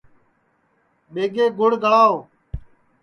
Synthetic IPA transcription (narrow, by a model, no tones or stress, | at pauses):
ɓeːɡeːɡʱʊɽ̤ɡʱəɭaːoː